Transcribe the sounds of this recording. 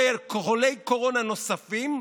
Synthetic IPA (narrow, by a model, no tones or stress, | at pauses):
elkoχolejkoʁo̞nano̞safim